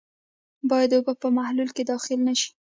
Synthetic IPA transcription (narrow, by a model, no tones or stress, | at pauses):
bɑjad̪ʊbapəmahlulked̪ɑxɪlnaʃi̥